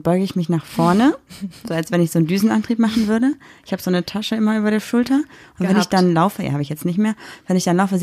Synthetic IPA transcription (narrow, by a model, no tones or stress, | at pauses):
b̥ɔʏɡəɪçmɪçnaːχfɔɐnəzoːalsv̥ɛnɪçz̥oːndyːzn̩ʔantʁ̥iːpmaχn̩vʏɐɾəɪçhaːbəz̥oːnətʰaʃəʔɪmɐʔyːbɐɾeːɐʃʊltɐʔʊntvɛnɪçd̥anlaʊfəja̰haːbəɪçjɛt͡stnɪçtmeːɐvɛnɪçd̥anlaʊfəz